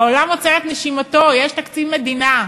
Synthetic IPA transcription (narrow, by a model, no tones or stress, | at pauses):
olamot͡seet̪neʃimat̪o̞jeʃt̪akt͡sivmed̪ina